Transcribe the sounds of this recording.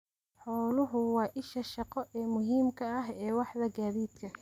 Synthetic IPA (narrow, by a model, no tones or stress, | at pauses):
ħɔːlʊɦʊwɑːʔɪʃɐʃɑqɔʔɛːmʊɦiːmkʰɐɐɦɛːwɑħðɐɡaːðiːd̪kʰɐ